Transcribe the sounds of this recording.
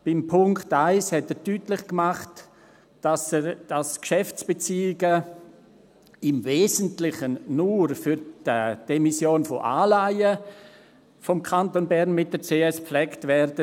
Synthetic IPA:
b̥ɪmpʰʊŋktaɪshɛtədyːtlɪχkmaχtː | asd̥askʃɛft͡sb̥et͡siːɪɡə | ɪmveːzəntlɪχənnuɾfyɾd̥əd̥ɛmisjoːnfɔ̰ʔaːlaɪə | fɔmkʰantonbɛɾnmɪt̚d̥əɾt͡seːɛsplɛktvɛɾdə

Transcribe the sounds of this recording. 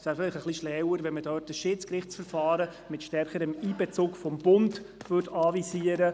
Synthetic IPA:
sæːfɪlɪχəχliʃlɛwəɾʋɛnmədœːt̚əsʃɪt͡skɾɪχt͡sfəɾfɑːɾə | mɪtʃtɛɾχəɾəmiːbɛt͡sʊːkfɔmbʊndvɵtʰɑːvisiːəɾə

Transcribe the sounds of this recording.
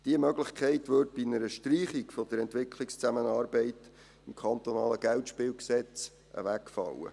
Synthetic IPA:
d̥iəmœɡlɪχkʰχɛɪtʋøːɾd̚b̥inəɾəʃtriːχikfɔd̥̪əɾɛntʋɪkʰlɪkst͡sæmənɑːrbɛɪt | ɪmkʰχɑnt̪onɑːləɡ̥æltʃpɪːwksɛt͡s | ʔə̰ʋækfɑ̰wə̰

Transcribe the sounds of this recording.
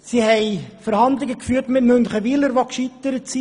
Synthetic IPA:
sihɛɪfəɾhɑnd̪lɪɡəkfyːɾtmɪtmʏnχəʋiləɾʋokʃit̪əɾəsi

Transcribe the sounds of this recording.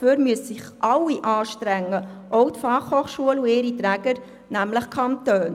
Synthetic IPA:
føːɾmyəssɪχʔɑlːiʔɑːʃtɾɛŋːəʔɔʊtfɑχhoːχʃuəlueːɾitɾæːɡ̥əɾ | næmləχkʰɑntøːn

